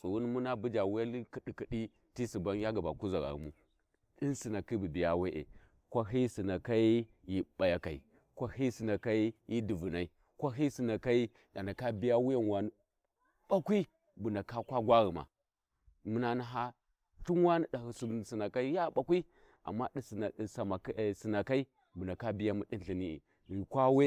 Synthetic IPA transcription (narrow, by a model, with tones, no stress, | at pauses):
su˨ɣu˦n˦mu˦na˦bu˦d͡ʒa˨wu˦ja˦li˦ki˨di˨ki˨ɗi˦ | ti˦si˨ba˦n˦ja˦ɡa˨ba̰˨ku˦za˨ɡa̰˨ɣṵ˨mu˦ | di˦nsi˨na˨ki˦bu˨bi˨ja˦we˦ʔḛ˨ | kʷa˦ɦi˦si˨na˨ka˦i˦ | ji˦ɓa˨ja˦ka˨ḭ˨ | kʷa˦hi˦si˨na˨ka˦i˦ji˦di˨vu˨na˨i˦ | kʷa˦ɦi˦si˨na˨ka˦i˦ | da˨na˨ka˦bi˦ja˦wu˦ja˦n˨wa˨nu˦ | b̥a˦kʷi˦ | bu˨na˨ka˦kʷa˦ɡʷa˦ɣi˨ma̰˨ | mu˨na˨na˨ɦa˦ | ɬu˦nwa˦ni˦da˨hi˨su˨si˨na˨ka˦i˦ja˦˨ɓa˨kʷi˦ | a̰˨mːa˦ɗi˦ssa˨ma˨ksi˨na˨ka˦i˦ | bu˨na˨ka˦bi˦ja˦mu˦ɗi˦ɬi˨ni˦ḛ˨ | ɣi˨kʷa˦we˦